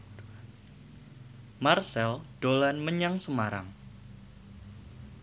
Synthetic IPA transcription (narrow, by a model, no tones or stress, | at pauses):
marsɛld̥olanməɲaŋsəmaɾa̰ŋ